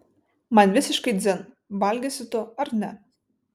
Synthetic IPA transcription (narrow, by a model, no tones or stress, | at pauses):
mɑnʲʋʲɪsʲɪʃkɐɪd̪zʲɪn | bɑlʲɡʲɛsʲɪt̪ʊɐɾnʲɛ